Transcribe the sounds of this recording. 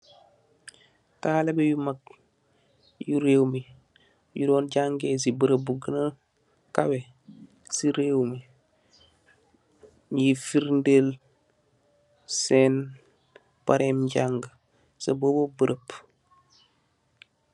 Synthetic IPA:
taːlebejumak̚ | juɾeːwmi | judoːnɟaŋɡes̬ibəɾəbuɡənə | kawe | siɾeːwmi | jifiɾndel | sen | paɾeːmɟaŋɡa | sɐ̰boːbobəɾʔəp

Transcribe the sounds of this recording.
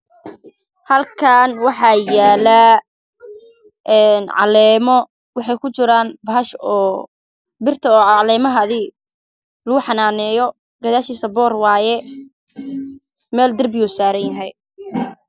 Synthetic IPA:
hɐlkʰɐnwɑħɑːjaːla | ʔɛnʕɑ̰lɛːmɔ | wɑħɑjkʰʊt͡ʃɪɾaːnbɐɦɐʃɔː | bɪrt̪ʰɐɔːʕɑlɛːmɐɦɐðɪ | lɐɣʊħɑnaːnɛːjɔ | ɡɐðaːʃiːsɐbɔːrwɑːjɛ | mɛːld̪ɐrbɪjuːsaːɾɐnjɐɦɛj

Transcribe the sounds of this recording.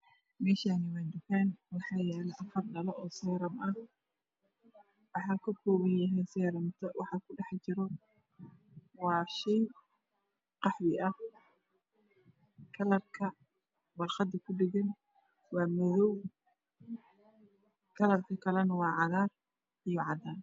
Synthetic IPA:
mɛːʃaːnɪwaːd̪ʊfaːnwɑħɑːjɛːlɛʔɐfɐrɖɐlɔʔɔːsɛːɾɐmʔɐ | wɑħɑːkʰɐkʰɔːβɐnjɐɦɛjsɛːɾɐmt̪ʰɐwɑħɑkʰʊɖɛħt͡ʃɪɾɔ | wɑːʃɛj | qɑħwɪʔɐh | kʰɐlɐrkʰɐ | wɐlχɑd̪ɐkʰʊɖɪɣɐn | wɑːmɐðɔw | kʰɐlɐrkʰɐkʰɐlɛnɐwɑːʕɑðaːr | ijɔʕɑðaːn

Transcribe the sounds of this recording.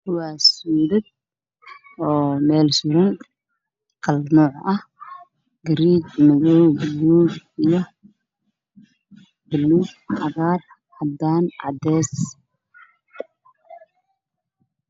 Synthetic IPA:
kʰʊwɑːsuːðɐd̪̚ | ɔːmɛːlsʊɾɪn | qɑlnɔːʕɐh | ɡɐɾiːt͡ʃmɐðɔwbɐlːuːɡijɔ | b̥ɐlːuːɡħɑɣaːr | hɐd̪aːnʕɑ̰d̪ɛːs

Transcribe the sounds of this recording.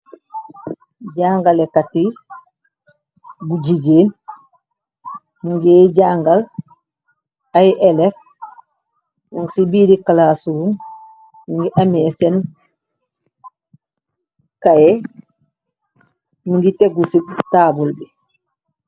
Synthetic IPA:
ɟaːŋɡalekati | buɟiɡeːn | muŋɡeːɟaːŋɡal | ajʔelef | muŋsibidikalaːsuum | muŋɡiʔameːsen | kaje | muŋɡiteɡusitaːbulbi

